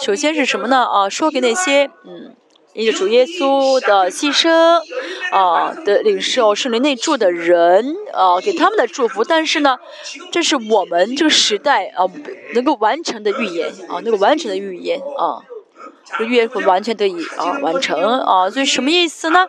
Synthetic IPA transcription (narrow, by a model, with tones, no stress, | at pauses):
ʂo˨˩ʊɕjɛ˥nʂ̬ɻ̩˥˩ʂə˧˥nmə˧nə˩ʔɐ˧ʂwɔ˥ke˨˩ɪna˥˩ɕjɛ˥n̩˥˩ | i˥ə˥˩ʈ͡ʂu˨˩jɛ˥su˥d̪ə˨ɕi˥ʂɤ˥ŋɐ˥˧d̪ə˧˩li˨˩ŋʂo˥˩ʊʂɤ˥˩ŋli˧˥ne˥˧ɪʈ͡ʂu˥˩d̪ə˩ɻə˧˥nɐ˧ke˨˩ɪt̪ʰa˥mə˨nd̪ə˩ʈ͡ʂu˥˩fu˧˥t̪a˥˧nʂɻ̩˥˩nə˩ | ʈ͡ʂɤ˥˧ʂɻ̩˥˩wɔ˨˩mə˦nʈ͡ʂɤ˥˩ɡə˩ʂɻ̩˧˥t̪a˥˩ɪɐ˧˩nɤ˧˥ŋko˥˩ʊwa˧˥nʈ͡ʂʰɤ˧˥ŋd̪ə˧y˥˧jɛ̰˧˥nɐ̰˥˧nɤ˧˥ɡo˥˩wa˧˥nʈ͡ʂʰɤ˧˥ŋd̪ə˧y˥˩jɛ̰˧˥nɐ̰˧˩˥ | y˥˧jɛ˥nxwa˧˥nt͡ɕʰɥɛ˧˥nt̪ʰɤ˧˥i˨˩˦ɐ̰˧˩wa̰˧˥nʈ͡ʂʰɤ˧˥ŋɐ̰˧˩swɔ˧˥i˨˧˩ʂə˧˥nmə˧i˥˩sɹ̩˨˩nə˩